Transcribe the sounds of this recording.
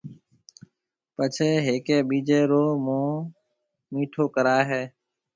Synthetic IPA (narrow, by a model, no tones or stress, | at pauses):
pət͡ʃʰeːɦeːkeːɓiːd͡ʒeːɾoːmõː | miːʈʰoːkəɾaːɦɛː